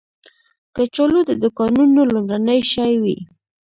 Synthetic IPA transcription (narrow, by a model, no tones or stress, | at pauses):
kət͡ʃolod̪əd̪ʊkɑnunolomɾanəjʃɑjwḭ